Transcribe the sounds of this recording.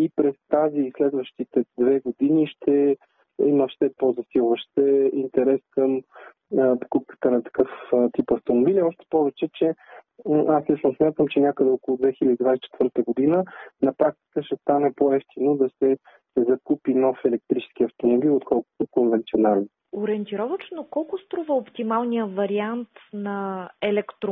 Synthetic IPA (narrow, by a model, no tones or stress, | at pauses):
ipɾɛst̪aziːslɛd̪vəʃt̪it̪ɛd̪vɛɡod̪iniʃt̪ɛ | iməfʃt̪ɛpozɐsilˠvəʃt̪ɛint̪ɛɾɛskəmː | po̥kup̚kə̥t̪ənɐt̪ɐ̥kɤft̪ipɐft̪omobiliɔʃt̪ɛ̥pɔvɛt͡ʃɛt͡ʃɛ | aslit͡ʃnosmʲat̪əmt͡ʃɛnʲakəd̪ɛɔkʊlˠʊd̪vɛxilʲəd̪id̪vajst͡ʃɛ̥t̪v̥ɤɾt̪əɡod̪inənɐpɾak̚t̪i̥kəʃɛst̪anɛpoɛft̪inod̪ɐsɛ | zɐkupinɔfɛlɛk̚t̪ɾit͡ʃɛ̥skiɐft̪omobilˠot̪kʰɔlˠkʊ̥t̪okonvɛnt̪sionalɛn | oɾɛɛnt̪iɾɔvət͡ʃnokɔlˠkʊst̪ɾuvəopt̪imalˠnijəvɐɾiant̪nɐɛlɛkt̪ɾ